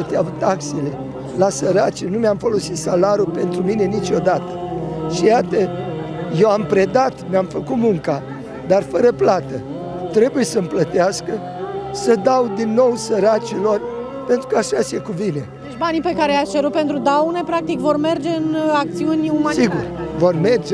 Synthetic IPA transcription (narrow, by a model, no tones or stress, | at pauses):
ət̪eavut̪aksele̞ | lasəɾat͡ʃinumamfolo̞sit̪salaɾupe̞nt̪ɾumine̞nit͡ʃʲo̞d̪at̪ə̥ʃijat̪əje̞wampɾe̞d̪at̪meamfəkut̪muŋka | d̪arfəɾəplat̪ə | t̪ɾe̞buje̞səmplət̪easkə | səd̪awd̪inːo̞wsəɾat͡ʃilo̞r | pe̞nt̪ɾu̥kəaʃase̞kuvine̞ | et͡ʃʲbanipekaɾeat͡ʃeɾut̪̚pent̪ɾud̪awnepɾak̚t̪ikvo̞rme̞rd͡ʒe̞ɨnak̚t̪siunʲumasiɡurvo̞rme̞rd͡ʒe